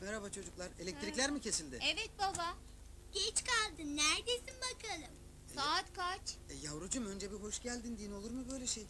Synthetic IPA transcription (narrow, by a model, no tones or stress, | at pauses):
meɾabat͡ʃʰo̞d͡ʒuklˠaɾe̞lʲɛc̚t̪ɾilʲæɾmicʰe̞silʲd̪ɪevɛt̪̚babaɟ̥ɛt͡ʃkalˠd̪ɯnnːæɾd̪esinbakʰalˠɯm | saːt̪kat͡ʃɛjavɾud͡ʒumø̞nd͡ʒebiɦo̞ʃɟælʲd̪ind̪iːno̞lˠuɾmɯbø̞jlʲɛʃej